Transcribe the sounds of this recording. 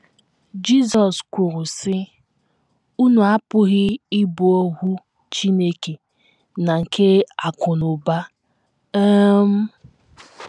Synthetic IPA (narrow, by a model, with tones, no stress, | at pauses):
d͡ʒi˦zɔ˨skʷʊ˨ɾʊ˨sɪ˦ | u˦nu˨a˦pʊ˦ɣɪ˦ɪ˦bu˨o˦ɦu˦ | t͡ʃi˦ne˦ke˨ | na˨ŋ̩˨kʰe˦a˨kʊ˨nʊ˨ba˦ | m̩˦